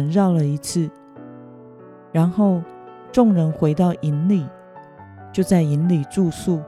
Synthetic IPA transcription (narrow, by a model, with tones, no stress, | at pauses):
ə˧nɻɑ˥˩ʊlə˩i˧˥t͡s̩ʰ˥˩ | ɻa˧˥nxo˥˩ʊ | ʈ͡ʂʊ˥˩ŋɻə˧˥nxwe˧˥ɪt̪ɑ˥˩ʊʔi˧˥nli˨˩ | t͡ɕjo˥˧ʊt͡sa˥˩ɪi˧˥nli˨˩ʈ͡ʂu˥˧su˥˩